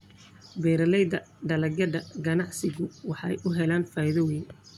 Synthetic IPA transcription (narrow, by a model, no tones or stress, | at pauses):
bɛːɾɐlɛjd̪ɐɖɐlɐɡɐɖɐɡɐnɑʕsɪɣʊwɑħɑ̰jʔʊɦɛlaːnfaːjɪðɔwɛjn